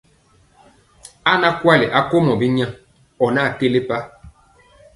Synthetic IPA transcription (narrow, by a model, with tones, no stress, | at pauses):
a˦na˦kwa˦le˨ʔa˦ko˦mɔ˨bi˦ɲã˦ | ɔ˨na˦˨ke˦le˦pa˦